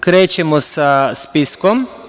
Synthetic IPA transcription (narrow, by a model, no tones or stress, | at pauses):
kɾeːt͡ʃɛmɔsaspiskɔm